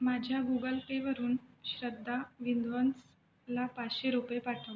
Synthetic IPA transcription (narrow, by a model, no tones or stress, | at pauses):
mad͡ʑʱjaɡuɡəlpeʋəɾuːnɕɾəd̪ʱːaʋind̪ʋont͡s | lapat͡sɕeɾupjepaʈʰə